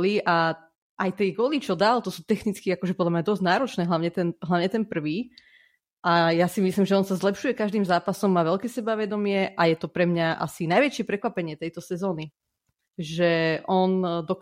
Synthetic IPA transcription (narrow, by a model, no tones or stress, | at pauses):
liʔa | ʔajt̪ɛɡɔlit͡ʃɔd̪aːlt̪ɔsuːt̪ɛxnit͡skiakɔʒɛpɔd̪lamɲad̪ɔzɟnaːɾɔt͡ʃnɛːɦlaʊɲɛt̪ɛnɦlaʋɲɛt̪ɛnpr̩ʋiː | ʔajasimislimʒɛɔnsazlɛpʃujɛkaʒd̪iːmzaːpasɔmːaːʋɛlkɛːsɛbaʋɛd̪ɔmɪɛʔajɛt̪ɔpɾɛmɲaʔa̰sinajʋɛt͡ʃɪɛpɾɛkʋapɛɲɪɛt̪ɛjt̪ɔsɛzɔːni | ʒɛʔɔnd̪ɔ